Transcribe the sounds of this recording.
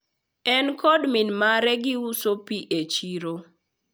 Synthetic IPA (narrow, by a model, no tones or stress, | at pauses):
ɛnkɔdminmaɾɛɡɪusopiʔet͡ʃiɾo